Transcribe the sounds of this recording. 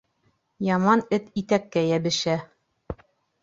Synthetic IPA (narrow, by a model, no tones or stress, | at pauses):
jɑmɑnɘt̪it̪ækːæjæbɘ̆ʃæ